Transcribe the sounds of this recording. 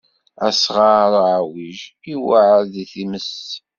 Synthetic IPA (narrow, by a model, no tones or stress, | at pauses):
æsʁaɾˤʕawiʒiwaʕɾðiθiməs